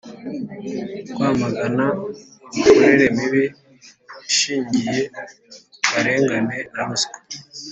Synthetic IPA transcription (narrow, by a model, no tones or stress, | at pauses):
ɡ̥waːmaɡana | ukoɾeɾe̞miβi | ʃiːɲɟije̞ | kaɾe̞ːŋɡane̞naβuzke̥